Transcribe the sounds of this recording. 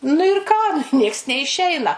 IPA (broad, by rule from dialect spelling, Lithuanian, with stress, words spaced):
nʊ ɪr ˈkɑː ˈnʲiɛks nʲɛɪˈʃʲɛɪnɐ